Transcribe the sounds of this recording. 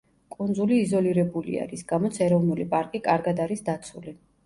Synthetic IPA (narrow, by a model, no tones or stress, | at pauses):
kʼund̪zuliːzɔliɾɛbulḭa̰ɾisɡamɔt̪sʰɛɾɔvnulipʼaɾkʼikʼaɾɡad̪aɾisd̪at̪sʰṵli